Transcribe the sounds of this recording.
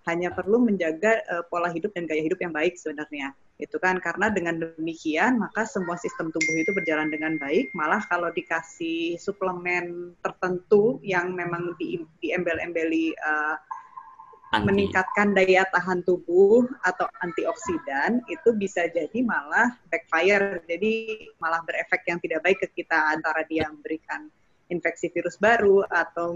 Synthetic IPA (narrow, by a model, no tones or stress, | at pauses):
haɲapərluməɲd͡ʒaɡaʔəpolahɦidʊp̚danɡajaɦidʊpjaŋbaɪk̚səbənarɲa | it̪ukankaɾənadəŋandəmikianmakasəmuasist̪əmt̪ubʊhit̪ubərd͡ʒalandəŋanbaɪk̚malahkalawdikasihsupləmɛnt̪ərt̪ənt̪ujaŋmemaŋdidiɛmbɛlɛ̰mbeliə | məniŋkat̪̚kandajat̪aɦant̪ubʊhat̪awant̪iɔksidanit̪ubisad͡ʒadimalahbɛk̚fajərd͡ʒadimalahbəɾefɛk̚t̪jaŋt̪idaʔ̚baɪkːəkit̪aːnt̪aɾadiaməmbəɾikan | infɛksifiɾʊsbaɾuat̪aw